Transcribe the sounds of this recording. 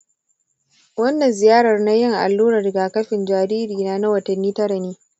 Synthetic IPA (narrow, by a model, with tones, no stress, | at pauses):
wɐ˦nːɐ˨nzɪ˨jaː˦ɽɐ˨rna˦jɪ˦ŋʔa̰˨lːuː˦ɾɐ˨rɡaː˨kɐ˦ɸɪ˨nd͡ʒaː˨ɾiː˦ɾiː˨naː˦na˦wɐ˨tɐ˨nːiː˦tɐ˦ɾa˨neː˦